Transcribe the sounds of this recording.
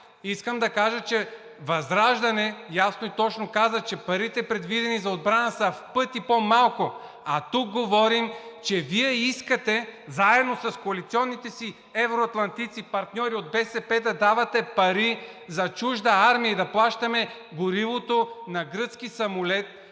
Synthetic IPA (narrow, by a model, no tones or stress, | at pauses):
iskəmd̪ɐkaʒət͡ʃɛ | vɐzɾaʒd̪ɐnɛjasnoit̪ɔt͡ʃnokazɐt͡ʃɛpɐɾit̪ɛpɾɛd̪vid̪ɛnizɐod̪bɾanɐsɐfpɤt̪ipomalˠko | ɐt̪uk̚ɡovɔɾimt͡ʃɛviɛiskɐt̪ɛzaɛd̪nosɐskoɐlit̪sʲiɔnːit̪ɛsi | ɛvɾoɐt̪lˠɐnt̪it̪sipɐɾt̪nʲɔɾiod̪̚bɛsɛpɛd̪ɐd̪avɐt̪ɛpɐɾi | zɐt͡ʃuʒd̪ɐaɾmijɐid̪ɐplˠaʃt̪ɐmɛ | ɡʊɾivot̪onɐɡɾɤt̪skisɐmolɛt̪̚